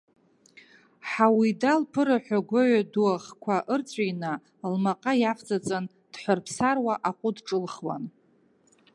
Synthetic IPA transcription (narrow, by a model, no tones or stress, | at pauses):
ħawidalpʰɨɾaħʷᶣaɡʷaɥaduaʁkʷʰaʔɨrt͡sʷʼajna | lmaqʼajafd͡zʼat͡sʼan | d̥ħʷarpʰsarwaʔaqʷʼʊdʈ͡ʂʼɨlχwa̰n